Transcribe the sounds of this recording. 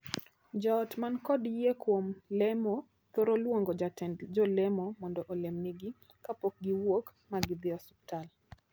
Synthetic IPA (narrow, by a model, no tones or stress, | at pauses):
d͡ʒɔtmankɔdjekwomlɛmɔ | t̪oɾolwoŋɡɔd͡ʒatɛd͡ʒɔlɛmɔmɔndɔʔɔlɛmniɡi | kapɔk̚ɡiwok | maɡɪd̪ɪɔsu̥ptal